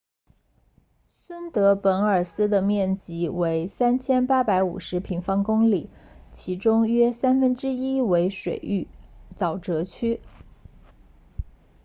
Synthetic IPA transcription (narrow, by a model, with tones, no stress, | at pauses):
swə˥nt̪ɤ˧˥pə˧˥nə˞˨˩sɹ̩˥d̪ə˨mjɛ˥˩nt͡ɕi˧˥we˧˥ɪsa˥nt͡ɕʰjɛ˥npa˥pa˧˥ɪṵ˨˩ʂɻ̩˧˥pʰi˧˥ŋfɑ˥ŋkʊ˥ŋli˨˩˦ | t͡ɕʰi˧˥ʈ͡ʂʊ˥ŋɥɛ˥sa˥nfə˥nʈ͡ʂɻ̩˥i˥we˧˥ɪʂwḛ˨˩ɪy˥˩t͡sɑ˨˩ʊʈ͡ʂɤ˧˥t͡ɕʰy˥